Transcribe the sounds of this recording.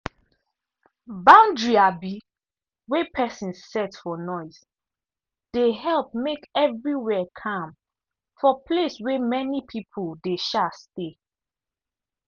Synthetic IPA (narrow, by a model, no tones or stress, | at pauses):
bãndɹiabi | wɛpʰɛsĩnsːɛtfɔnɔɪs | d̥ehɛlp̚mekɛvɹiwɛkʰãm | fɔpʰleswɛmɛnipʰipʰoldeʃaste